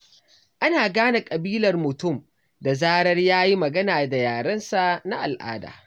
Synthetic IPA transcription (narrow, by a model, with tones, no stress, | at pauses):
ʔa˦naː˨ɡaː˦na˨kʼɐ˨biː˦lɐ˨rmʊ˨tʊ˦˨m | da˨zaː˦ɽɐ˦rjaː˦ji˦mɐ˨ɡɐ˦naː˨da˨jaː˨ɽɐ˦nsa˨ʔna˦ʔa˨lʔa̰ː˦da̰ː˨